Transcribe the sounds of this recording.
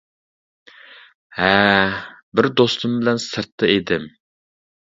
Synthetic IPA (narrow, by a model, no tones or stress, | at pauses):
hɛ | bɪɾd̪ost̪ʰumbɪlɛnsɨɾt̪ʰːɨed̪ɪm